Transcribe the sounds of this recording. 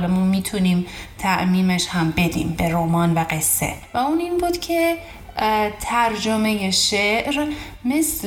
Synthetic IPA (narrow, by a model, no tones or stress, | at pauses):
lemumiːt̪ʰuniːmt̪ʰæʔmiːmeʃhæmbe̞d̪ḭːmbe̞ɾoːmɒːnvæɡe̞sːḛvæuːniːnbuːd̪̥cʰe̞ | t̪ʰæɾd͡ʒome̞je̞ʃeʔɾ | me̞sl